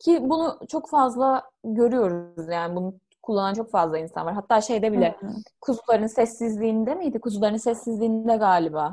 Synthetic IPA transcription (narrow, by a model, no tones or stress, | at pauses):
cʰibunut͡ʃʰo̞kfazlˠaɟø̞ɾyjo̞ɾuzjaːnɪbunu | kʰulˠːanant͡ʃʰo̞kfazlˠainsa̰nvaɾɦat̪ʰːaːʃe̞jd̪ɛbilʲɛkʰuzulˠaɾɯnsɛsːizlʲiːnid̪ɛmijd̪ikʰuzulˠaɾɯnsɛsːizlʲiːnd̪ɛɡaːlʲibaː